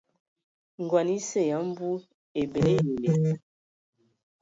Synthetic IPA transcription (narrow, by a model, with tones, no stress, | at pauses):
ŋ˨ɡwa˨ni˦se˦˨ja˨˦m˦bu˦ | e˨be˨le˦ne˨le˨˦